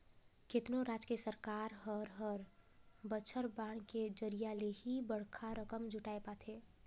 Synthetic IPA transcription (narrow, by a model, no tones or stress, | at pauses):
ket̪noɾaːd͡ʒkesəɾkaːɾɦəɾɦɔɾbət͡ʃʰəɾbaːɽ̃ked͡ʒəɾijaleɦibəɽ̤kʰaɾəkəmd͡ʒʱʊʈaːepat̪ʰeː